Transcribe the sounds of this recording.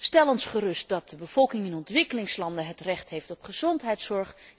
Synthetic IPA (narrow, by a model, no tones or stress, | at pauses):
stɛlˠɔnsχərɵst̚dɑt̚dəbəv̥ɔlˠkɪŋɪnɔntʋɪkəlɪŋslɑndəɦətrɛχtɦejftɔpχəz̥ɔntɦɛjtsɔɹχ